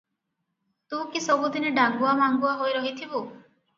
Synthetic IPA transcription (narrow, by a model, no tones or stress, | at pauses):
t̪ũkisɔbud̪ineɖaŋɡuamaŋɡuaɦojɾɔɦit̪ʰibu